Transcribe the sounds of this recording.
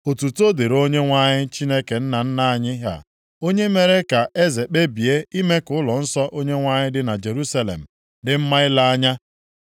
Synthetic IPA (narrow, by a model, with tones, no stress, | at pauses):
o˨tu˨to˦de˨ɾo˦ɲe˦ŋʷa˦ɲɪ˦t͡ʃi˦ne˦ke˨n̩˦na˨n̩˦na˦a˨ɲɪ˦ɦa̰˨ | o˦ɲe˦me˦ɾe˦ka˨ʔe˦ze˨k͡pe˦bi˨e˦i˦me˦kʊ˦ʊ˦lɔ˨n̩˦sɔ˦ʔo˦ɲe˦ŋʷa˦ɲɪ˦dɪ˦na˨d͡ʒe˨ɾu˦sa˦lḛ˨m̩˨ | dɪ˨m̩˦ma˦ɪ˦la˦a˦ɲa˦